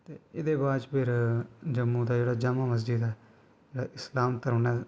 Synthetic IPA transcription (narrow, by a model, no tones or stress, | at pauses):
t̪eːɪd̪eːbaːd͡ʒpʰɪɾd͡ʒəmːũːd̪aːd͡ʒeːɽaːd͡ʒamaːməs̬d͡ʒid̪ɛː | d͡ʒeːɽaːʔɪslaːmk̪əɾnɛː